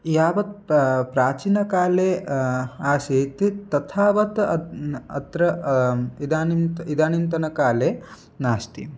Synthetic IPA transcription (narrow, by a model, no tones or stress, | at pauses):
jaːʋɐt̪̚pɾaːt͡ʃinɐkaːleː | aːseːt̪it̪ɐt̪ʰaːʋɐt̪ɐɐ̰t̪ɾɐ | id̪aːniid̪aːnint̪ɐnɐkaːleː | naːst̪ḭ